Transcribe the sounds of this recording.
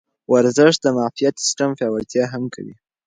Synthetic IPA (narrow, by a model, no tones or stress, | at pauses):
waɾzɪʂt̪̚d̪əmɑfijat̪sɪ̥sʈamfɑwat̪jɑɦamka̰wḭ